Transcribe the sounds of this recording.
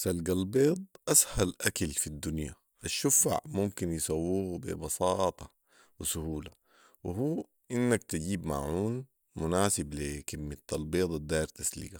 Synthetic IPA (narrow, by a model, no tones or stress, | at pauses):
salɡalbeːd̪ˤʔashalʔakalfid̪ːunja | ʔaʃːʊfa̰ʕmʊmkinjɪsˤɑwːuːɡbḭbɑsɑːt̪ˤɑ | wɪsʊhuːla | wɪɦuː | ʔɪnːakt̪aɟiːbma̰ʕuːn | mʊnaːsɪblikɪmːat̪ːalbeːd̪ˤd̪aːjɾt̪aslḭɡa